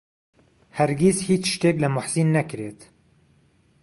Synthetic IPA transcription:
hæɾɡizhiːt͡ʃʃt̪eːkləmʊħziːnːɛkɾeːt̪

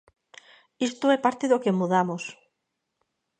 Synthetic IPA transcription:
ist̪oɛpaɾt̪eðokemuð̞amos

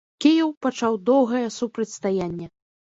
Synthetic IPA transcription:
kʲejɛwpat͡ʂawd̪ɔwɣɐjɛsupɾɐt͡sʲst̪ajanʲːɛ

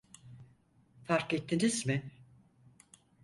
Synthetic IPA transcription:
faɾket̪ʰːinizmɪ

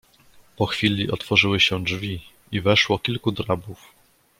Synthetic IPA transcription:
pɔxfʲilʲiʔɔt̪fɔʐɘwɘɕɛd͡ʐvʲi | ivɛʂwɔkʲilkud̪ɾabuf

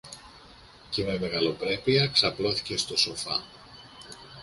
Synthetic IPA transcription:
ce̞me̞me̞ɣɐlo̞pɾe̞piɐksɐplo̞θi̥ce̞st̪o̞so̞fɐ̰

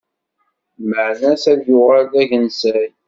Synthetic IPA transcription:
məʕnæsæðjʊʁælðæʝənsæj

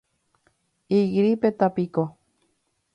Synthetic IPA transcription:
iɣɾipet̪apiko

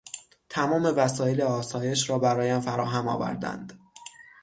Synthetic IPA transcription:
t̪ʰæmɒːme̞væsɒːjeleɒːsɒːje̞ʃɾɒːbæɾɒːjeæmfæɾɒːɦæmɒ̰ːvæ̰ɾd̪æ̰nd̪̥

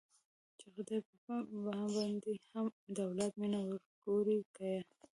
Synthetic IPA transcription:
t͡ʃexd̪epəbaɦabɑnd̪ehamd̪awlat̪̚minawəɾɡ̥oɾikaja

